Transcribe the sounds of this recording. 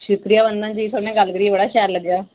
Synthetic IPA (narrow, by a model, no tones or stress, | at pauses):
ʃʊkɾijaːbənd̪ãːnd͡ʒiːt̪ʰonẽːɡəlɡəɾiːbəɽaːʃɛːɾləɡ̪jaː